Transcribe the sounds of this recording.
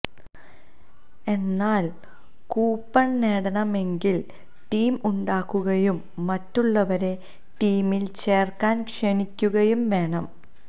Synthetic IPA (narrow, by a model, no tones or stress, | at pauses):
e̞nːaːl | kuːpːɐɳneːɽɐnɐme̞ŋɡil | ʈiːmuɳɖaːkːuɣɐjumː | ɐtːuɭːɐʋɐɾe̞ | ʈiːmilt͡ɕe̞ːrkaːnkʂenikʲːuɣɐjumʋe̞ːɳɐm